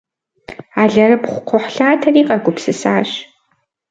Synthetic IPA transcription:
aːɮɐɾɨpχʷʊqʷʰɔħɬaːtʰɐriːqʼɐɡʷʊpsɨsaːɕ

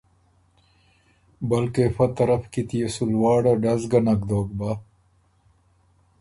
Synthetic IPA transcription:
bɐlkefɐt̪ɐɾɐfkit̪ijesulwaːɽɐɖɐzɡɐnɐkd̪oːk̚ba

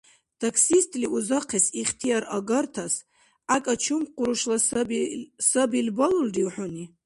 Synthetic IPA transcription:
t̪ʰakʰsist̪ʼliʔuzaqʰɛsiχt̪ʰijaɾaɡart̪ʰas | akʼat͡ʃʰumqʷʼʊɾuʃla | sabilbaluldiwħʊni

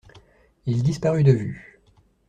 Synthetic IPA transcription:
ild̪ispaʁyd̪əvy̰

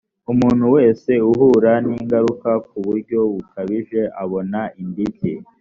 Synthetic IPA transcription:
umuːn̤̥uwe̞ːse̞uɦuːɾaniːŋɡaɾukak̚uβuɾɟo̞βukʰaβiʒe̞ʔaβo̞naimbitʰḭ

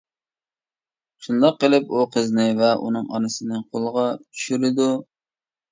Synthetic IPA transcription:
ʃund̪ɑqːəlˠɪp̚uqʰəznɪvɛʔṵnɨŋɑ̰nɨsɨnɨqʰolˠəʁɑt͡ʃʰy̥ʃyɾɪd̪u

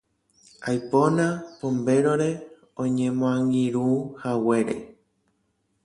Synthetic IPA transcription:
ajponãpombe̞ɾoɾe̞ | õɲẽmõãŋɡiɾuhawe̞ɾḛ

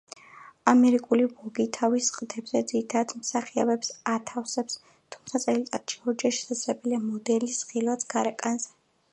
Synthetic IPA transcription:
amɛɾikʼulibɔɡit̪ʰavisːqʼt̪ʰɛbz̥ɛd̪ziɾit̪ʰad̪d̪msaχia̰bɛpsat̪ʰafsɛps | t̪ʰumt̪sʰat̪sʼɛlit̪ʼat̪ʃi̥ɔɾd͡ʒaʃɛ̥sazlɛbɛliamɔd̪ɛlisχilˠwat̪sʰɡaɾɛkʼanzɛ

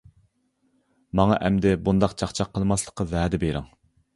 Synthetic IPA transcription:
mɑŋɑʔɛmd̪ɪbund̪ɑqt͡ʃʰɑqt͡ʃʰɑqʰːəlˠmɑslˠə̥qʰːɑvæːd̪ɪbeɾɪ̰ŋ

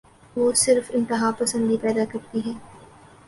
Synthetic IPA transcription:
ʋosɪɾfɪ̃nt̪ɪɦaːpɐsə̃nd̪ipɛːd̪akɐɾt̪iɦɛː

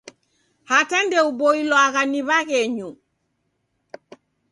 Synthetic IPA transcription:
hatandɛuboilɔakaniβakɛɲu

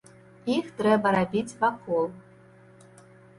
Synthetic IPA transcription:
ixt̪ɾɛbɐɾabʲit͡sʲvakɔlˠ

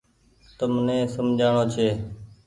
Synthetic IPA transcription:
t̪əmnẽːsəmd͡ʒʱaːɳoːt͡ʃʰeː

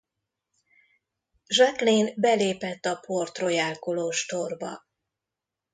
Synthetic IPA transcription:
ʒakleːnbɛleːpɛt̪ːɒpo̞rt̪ro̞jaːlkoloːʃt̪o̞rbɒ̰

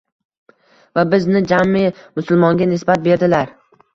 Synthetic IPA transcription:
vabɪznɪd͡ʒamɪmʊsʊlˠmɒŋɡʲanɪsbat̪̚be̞ɾd̪ɪlaɾ

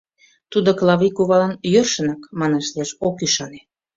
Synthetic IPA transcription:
t̪ud̪oklɑβikuβɑlɑnjørʃə̆nɑkmɑneʃlieʃokyʃɑne̥

